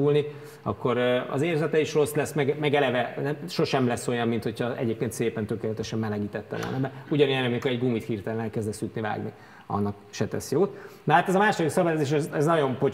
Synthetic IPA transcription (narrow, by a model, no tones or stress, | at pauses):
ulni | ɒ̰kːo̞ɾøɒ̰zeːrzɛt̪ɛiʃro̞slɛsmɛɡmɛɡɛlɛvɛnɛʃo̞ʃɛmlɛsːo̞jɒmːint̪ho̞cʰɒɛ̰ɟeːpkeːnt̪seːpɛnt̪økeːlɛt̪ɛʃɛmːɛlɛɡiːt̪ɛt̪ːɛ̰vo̰lnɛbɛuɟɒnojɛnɛmikoɾɛɟɡuːmit̪hiːrt̪ɛlɛnɛlkɛzd̪ɛsyt̪niva̰ːɡni | ɒ̰nːɒkʃɛt̪ɛ̰sjoːt̪nɒɦaːt̪ɛzɒmaːʃod̪iksɒbɛjzeːʃ̬ɛzɛznɒɟo̞mpo̞